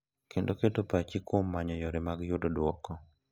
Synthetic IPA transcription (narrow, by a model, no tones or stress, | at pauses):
kʰendoketopat͡ʃɪkwomːaɲɔjɔɾemaɡjʊdodwɔkɔ